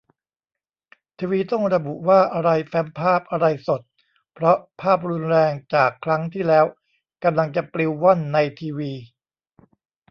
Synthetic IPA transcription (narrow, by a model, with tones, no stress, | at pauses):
t̪ʰiː˧wiː˧t̪ɔ˥˩ŋɾa˧bu˨˩ʔwaː˥˩ʔa˧ɾa˧jfɛ˦˥mpʰaː˥˩p̚ʔa˧ɾa˧jso˨˩t̪̚ | pʰɾɔ˦˥pʰaː˥˩p̚ɾu˧nɾɛː˧ŋt͡ɕaː˨˩kʰːɾa˦˥ŋt̪ʰiː˥˩lɛː˦˥w | ka˧mla˧ŋt͡ɕa˨˩pli˧wːa˥˩nːa˧jt̪ʰiː˧wiː˧